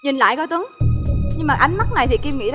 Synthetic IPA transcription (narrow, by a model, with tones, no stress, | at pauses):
ɲi˨˩nla̰ː˧˨jkɔ˨˦t̪ə˨˦ŋɲɨ˧ŋmaː˨˩ʔa˨˦jŋ̟ma˦˥k̚na˨˩jt̪ʰi˨˩ki˧mŋḭ˧˥